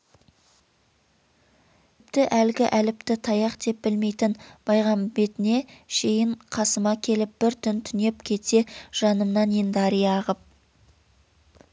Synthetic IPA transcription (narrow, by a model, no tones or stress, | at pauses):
p̚t̪ɪʔælɡʲɪʔælɪp̚t̪ɪt̪ʰɑjɑqd̪e̞p̚b̥ɪlme̞jt̪ɪnb̥ɑjʁɑmbe̞t̪ɪne̞ʃe̞jɪɴqʰɑsəmɑkʲʰe̞lɪp̚b̥ɪɾt̪ʰʏnt̪ʰʏne̞p̚kʲʰe̞t̪e̞ʒ̥ɑnəmnɑnend̪ɑɾijɑʁəp̚